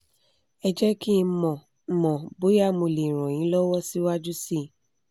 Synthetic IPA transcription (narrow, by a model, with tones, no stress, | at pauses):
ɛ˧d͡ʒɛ˦ki˦˧˦mɔ̃˨ | mɔ̃˨bo˨˦ja˦˨mõ˧˨lẽ˨ɾ̃ɔ̃˨j̃ĩ˨˦lɔ˦wɔ˦si˦wa˦d͡ʒu˦si˦˨